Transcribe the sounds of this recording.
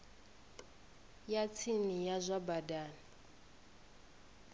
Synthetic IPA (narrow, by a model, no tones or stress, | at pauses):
jat͡sʰinijazʷabadaːni